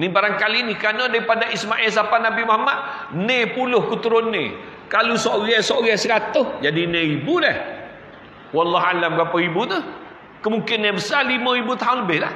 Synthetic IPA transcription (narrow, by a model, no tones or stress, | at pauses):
nibaɾaŋkalinikanadaɾipadaʔismaʔɛls̬apanabimahmat̪̚ | nepulʊhkut̪uɾʊnːḛ̃ | kalusoɣɛsoɡɛsəɾat̪ʊhd͡ʒadinẽibudɛh | walːɑɦalambəɾapaibut̪ə | kəmuŋkɪnːebəsalimə̃ibut̪aɦʊnləbɪhla̰h